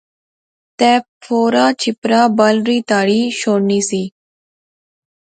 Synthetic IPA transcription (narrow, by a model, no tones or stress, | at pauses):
t̪ɛ̃ː | pʰoːɾaːt͡ʃʰɪpɾaːbəlɾiːt̪aːɽiːʃoːɽniːsiː